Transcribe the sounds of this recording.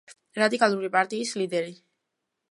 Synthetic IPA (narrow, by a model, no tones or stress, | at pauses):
ɾad̪ikʼalˠuɾipʼaɾt̪ʼiːslid̪ɛɾi